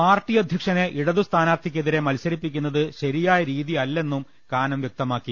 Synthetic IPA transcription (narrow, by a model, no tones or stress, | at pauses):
paːrtːiːjɐd̪ʱjɐkʂɐneʔiɽɐðust̪ʰaːnaːrt̪ʰikʲːe̞ðiɾe̞mɐlsɐɾipːikʲːunːɐðɨɕɐɾijaːjɐɾiːðiɐlːe̞nːum | kaːnɐmʋjek̚t̪ɐmaːkːi